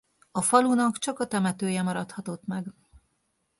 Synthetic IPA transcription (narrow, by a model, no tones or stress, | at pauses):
ɒfɒlunɒkt͡ʃɒkɒt̪ɛmɛt̪øːjɛmɒɾɒt̪hɒt̪o̞t̪mɛɡ